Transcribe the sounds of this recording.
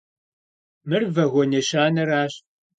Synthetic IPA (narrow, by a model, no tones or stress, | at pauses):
mɨrvɐɣʷɔneːɕaːnɐraːɕ